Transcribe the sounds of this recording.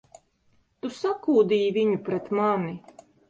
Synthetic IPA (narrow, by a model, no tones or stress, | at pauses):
t̪usakuːd̪iːjvʲiɲupɾɛt̪mani